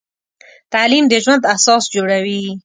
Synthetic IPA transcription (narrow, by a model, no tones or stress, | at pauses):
t̪alimd̪əʒwand̪ahsɑsd͡ʒoɽawi